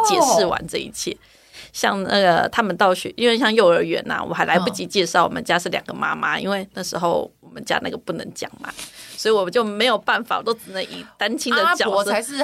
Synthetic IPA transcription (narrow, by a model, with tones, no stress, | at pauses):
t͡ɕjɛ˨˩ʂɻ̩˥˩wa̰˧˦nʈ͡ʂɤ˥˧ḭ˧t͡ɕʰjɛ̰˥˩ | ɕjɑ˥˧ŋna̰˥˩ɡə˩t̪ʰa˥mə˨nt̪ɑ˥˩ʊɕɛ̰˨˩ʔi˥nwe˥˧ɪɕ̬jɑ˥˧ŋjo˥˩ʊə˞˧˥ɥɛ̰˧˥nɐ̰˨˩wʔɔ̰˨˩xa˧˥ɪla˧ɪpu˥˩t͡ɕi˧˥t͡ɕjɛ˥˧ʂɑ˥˩ʊwɔ̰˨˩mə˦nt͡ɕja˥ʂɻ̩˥˩ljɑ˨˩ŋɡə˦ma̰˥ma˦ḭ˥nwe˥˧ɪna˥˩ʂɻ̩˧˥xo˥˩ʊɔ˨˩mə˦nt͡ɕja̰˥na̰˥˩ɡə˩pu˥˩nə˧˥ŋt͡ɕjɑ̰˨˩ŋma̰˦swɔ˧˥i˨˩wɔ˨˩t͡ɕjo˥˩ʊme˧˥ɪjo˨˩ʊpa˥˩nfa̰˨wɔ˨˩t̪o˥ʊʈ͡ʂ̩˨˩nə˧˦nḭ˨˩t̪a˥nt͡ɕʰi˥ŋd̪ə˨t͡ɕjɑ˨ʊ˥˧˥